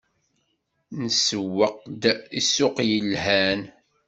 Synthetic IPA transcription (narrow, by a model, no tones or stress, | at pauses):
nəsəwːəqd̪isʊqjəlɦæn